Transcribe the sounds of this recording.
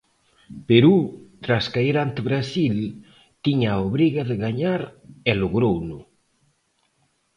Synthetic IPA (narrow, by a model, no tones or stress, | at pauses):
peɾut̪ɾaskaiɾant̪eβɾasil | t̪iɲaoβɾiɣaðɪɣaɲaɾɛloɣɾownʊ